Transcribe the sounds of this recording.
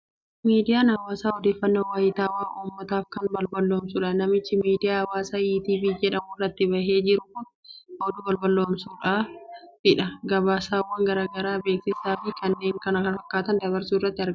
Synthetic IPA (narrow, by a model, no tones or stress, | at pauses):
miːd̪ɪjaːnɐwaːsaːɔd̪eːfːɐnːoːwaːjɪt̪aːwaːʔuːmːɐt̪aːfkɐnbɐlbɐlːoːmsuᶑanɐmɪt͡ʃːɪmiːd̪ɪjaːɐwaːsaːjiːt̪iːbiːd͡ʒɛᶑɐmʊrːɐt̪ːɪbɐɦe̞ːd͡ʒɪɾʊkʊn | hoːd̪ʊbɐlbɐlːoːmsuːᶑaːfɪᶑɐɡɐbaːsaːwːɐŋɡɐɾaːɡɐɾaːbe̞ːksɪsaːfɪkɐnːe̞ːŋkɐnɐkɐnfɐkːaːt̪ɐnd̪ɐβɐɾsuːɪrːɐt̪ːɪɐɾɡ